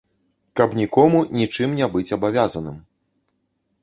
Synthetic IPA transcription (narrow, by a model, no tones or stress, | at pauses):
kɐpnʲikɔmunʲit͡ʂɨmnʲɛbɨt͡sʲɐbavʲazɐnɨm